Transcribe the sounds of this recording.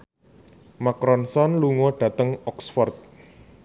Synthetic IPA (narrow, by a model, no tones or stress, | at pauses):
makɾɔnsɔnluŋɔɖ̥ä̤t̪əŋɔksfɔrt̪̚